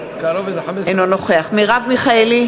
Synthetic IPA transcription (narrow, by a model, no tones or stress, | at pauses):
kaɾovezeħamesenonoχeaχmiʁavmiχaeli